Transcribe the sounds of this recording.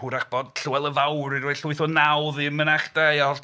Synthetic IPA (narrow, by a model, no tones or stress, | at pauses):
uɾaχb̥ɔd̥̚ɬuɛlˠəvawɾiɾjɬʊɨθɔnawðiəmənaχd̥ajɔ